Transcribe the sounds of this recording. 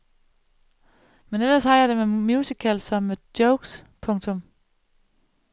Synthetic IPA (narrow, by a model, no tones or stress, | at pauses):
menelɐshɑ̈jɑ̈d̥e̝memjuːsikʰælsɒ̽md̥jɔʊɡ̥s | pʰɔ̽ŋ̰t͡sʰɔ̽m